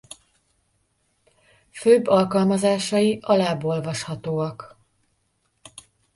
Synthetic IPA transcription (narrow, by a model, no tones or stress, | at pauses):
føːbːɒlkɒlmɒzaːʃɒjiʔɒlaːbo̞lvɒʃhɒt̪oːɒk